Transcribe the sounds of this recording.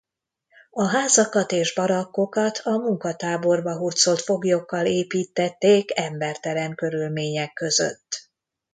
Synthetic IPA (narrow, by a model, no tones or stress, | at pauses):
ɒɦaːzɒkɒt̪eːʒbɒɾɒkːo̞kɒt̪ʰɒmuŋkɒt̪aːbo̞rbɒɦurt̪so̞lt̪fo̞ɡjokːɒleːpiːt̪ːɛt̪ːeːkɛmbɛrt̪ɛɾɛŋkø̞ɾylmeːɲɛkːø̞zø̰t̪ː